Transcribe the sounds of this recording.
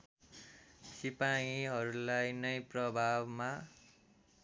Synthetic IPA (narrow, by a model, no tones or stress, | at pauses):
sipaĩɦʌɾulajnʌjprʌbʱabma